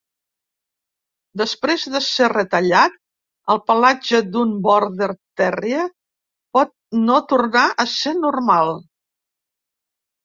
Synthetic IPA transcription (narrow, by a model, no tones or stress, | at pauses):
d̪əspɾezðəserət̪əʎat̪ | əlˠpəlad͡ʒəd̪umbɔɾðərt̪ɛriə | pɔt̪̚not̪urnaʔəsenurmalˠ